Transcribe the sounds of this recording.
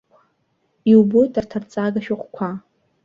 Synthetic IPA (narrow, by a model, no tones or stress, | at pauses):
iwbotʰʼartʰart͡sʼaɡaʃᶣʊqʷʼkʷʰa